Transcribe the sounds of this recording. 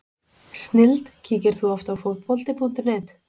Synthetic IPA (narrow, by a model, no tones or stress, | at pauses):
st̪nɪlt̪cʰiːcɪɾ̥θuɔft̪awfopɔlt̪ɪpʰun̥t̪ɪnɛːt̪